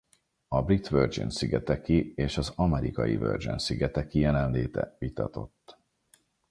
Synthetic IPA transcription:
ɒbrit̪ʋørd͡ʒḭnsiɡɛt̪ɛkieːʃɒzɒmɛɾikɒjḭvø̰ːrd͡ʒinsiɡɛt̪ɛkijɛlɛnleːt̪ɛ̰vit̪ɒt̪o̞̰t̪ː

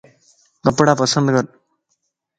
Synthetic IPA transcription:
kɐpːɐɽaːpɐsɐnd̪ɣɐɾ

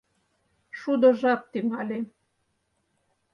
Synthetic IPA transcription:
ʃud̪ŏʒɑk̚t̪yŋɑlʲe

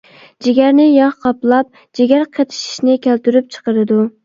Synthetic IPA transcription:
d͡ʒeɡʲæɾnɪjɑχqʰɑplˠɑp̚ | d͡ʒeɡʲæɾqʰet̪ʰɪ̥ʃi̥ʃnɪkʲʰælt̪yɾyp̚t͡ʃʰə̥qəɾɨd̪u

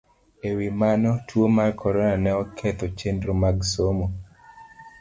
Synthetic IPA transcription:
ewimanɔtʰwomarkʰɔɾɔnanɛɔkʰɛt̪ɔt͡ʃendɾomaɡsomo

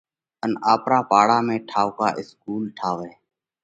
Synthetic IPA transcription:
ənaːpɾaːpaːɽaːmẽːʈʰaːʋka̰ːʔɪskuːlʈʰaːʋeː

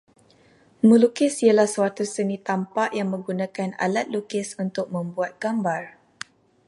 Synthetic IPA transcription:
məlukɪsialahsəwat̪usənit̪ampaʔjaŋmə̃ŋɡunãkana̰lat̪̚lukɪsunt̪ʊk̚mə̃mbuat̪̚ɡ̥ambar

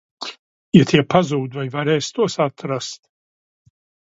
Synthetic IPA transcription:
jat̪ʰiɛpazuːd̪vajvaɾɛːst̪uɔsat̪ɾast̪̚

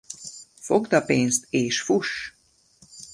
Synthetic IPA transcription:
foɡd̪ɒpeːnst̪eːʃfuʃ

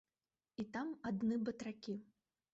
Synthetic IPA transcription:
it̪amad̪nɨbɐt̪ɾakʲi

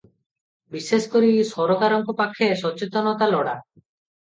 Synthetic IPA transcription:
biseskoɾisɔɾɔkaɾɔŋkɔpakʰːesɔt͡ʃet̪ɔnɔt̪alɔɽa

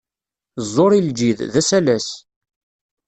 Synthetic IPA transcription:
zˤːoɾild͡ʒiððæsælæs

